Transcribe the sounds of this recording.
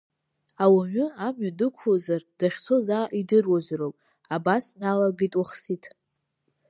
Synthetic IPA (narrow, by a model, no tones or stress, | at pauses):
awaɥʊamɥadɨkʷʰzard̥aχʲt͡sʰozaʔidɨrwazrowpʼ | abasnalaɡitʼwaχsitʰ